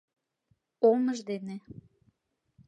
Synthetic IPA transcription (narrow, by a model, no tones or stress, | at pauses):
olməʒd̪ene